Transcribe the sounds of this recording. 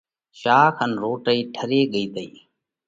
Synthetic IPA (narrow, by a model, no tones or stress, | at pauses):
ʃaːkʰənɾoːʈəiːʈʰəɾeːɠəiːd̪əḭː